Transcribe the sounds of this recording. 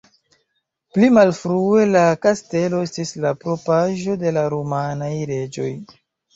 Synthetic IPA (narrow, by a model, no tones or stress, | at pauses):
plimalfɾue̞lakaste̞lo̞estislapɾo̞paʒo̞de̞laɾomanajɾe̞d͡ʒo̞̰j